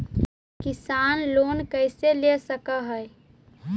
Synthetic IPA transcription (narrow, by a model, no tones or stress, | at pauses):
kɪsaːnloːnkəɪselesəkəɦəj